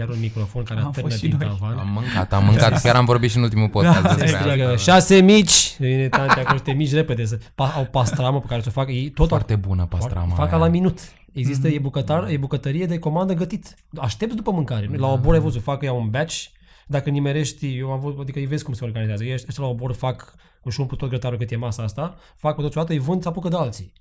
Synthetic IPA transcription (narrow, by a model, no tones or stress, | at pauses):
jaɾunmikɾo̞fo̞nkaɾeaɨəiavanamːɨŋkat̪amːɨŋkat̪kʲjaɾamvo̞ɾbit̪ʃiɨnult̪imulpokaskəʃasemit͡ʃʲvinet̪ant̪eakoʃt̪emit͡ʃʲreped̪es̬əpaawpasɾaməpekaɾesofakjejt̪ot̪aɾt̪ebunəpasɾa̰mfakkalaminut̪ | eɡzis̬t̪əebukət̪arjebukət̪əɾijed̪eko̞mand̪əɡət̪it̪ | aʃt̪e̞p̚t̪d̪upəmɨŋkaɾenlaoboɾajvozufakɨjaunbat͡ʃ | d̪akəɨnimeɾe̞ʃt̪ʲjewmavuad̪ikəɨjve̞zkumseo̞rɡanizeazəjejaʃəʃt̪elaoboɾfak | uʃumput̪ot̪ɡɾət̪aɾukɨt̪jemasaast̪a | fak̚pet̪ot̪sʲjoat̪jejvɨnd̪sapukəd̪ealt̪si